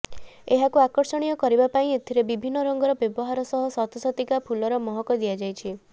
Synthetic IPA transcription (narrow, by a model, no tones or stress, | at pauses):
eɦakuakɔɾsɔɽ̃ijɔkɔɾibapaĩet̪ʰiɾebibʱinːɔɾɔŋɡɔɾɔbjɔbɔɦaɾɔsɔɦɔsat̪ɔsɔt̪ikapʰulɔɾɔmɔɦɔkɔd̪iad͡ʒajt͡ʃʰi